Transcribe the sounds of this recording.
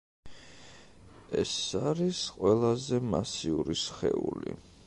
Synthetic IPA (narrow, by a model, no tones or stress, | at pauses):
ɛsaɾisqʼwɛlˠazɛmasiuɾisχɛ̰uli